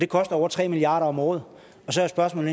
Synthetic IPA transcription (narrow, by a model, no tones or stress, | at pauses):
d̥e̝kʰɒsd̥ɐɒʊɐt͡sʰʁɛ̰ːmiliɑ̈ːɾɐɒ̽mɔːð̞̩ˠ | ɒ̽sɒ̽jasb̥ɶɐsmɔ̰l̩